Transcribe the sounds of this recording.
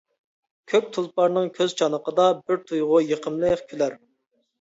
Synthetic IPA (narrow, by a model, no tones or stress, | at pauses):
kʲʰøk̚ʲt̪ʰulˠpɑɾnɨŋkʲʰøzt͡ʃʰɑnəqəd̪ɑbɪɾt̪ʰujʁʊjəqʰəmlˠɨχkʲʰylæɾ